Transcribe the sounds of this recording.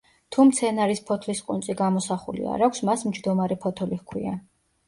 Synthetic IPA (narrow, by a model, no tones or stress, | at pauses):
t̪ʰumt̪sʰɛnaɾispʰɔt̪ʰlisqʼunsʼiɡamɔsaχṵlḭa̰ɾakʷʰsmasmd͡ʒd̪ɔmaɾɛpʰɔt̪ʰɔlihkʰwḭa